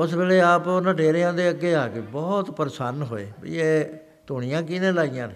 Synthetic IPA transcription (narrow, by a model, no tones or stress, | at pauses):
ʊsʋeːleːaːpːnəʈeːɾeːãːd̪eːəɡeːaːkɪbɔːt̪pəɾsaːnɦoːḛːbə̰ḭeː | t̪ʊɽ̃ijãːkɪnẽːlaːijãːneː